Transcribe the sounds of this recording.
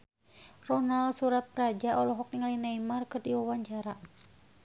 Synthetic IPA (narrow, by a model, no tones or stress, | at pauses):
rɔnalsuɾat̪̚pɾad͡ʒaʔɔlɔɦɔk̚iŋalinaimarkɨrdiwawaɲt͡ʃaɾa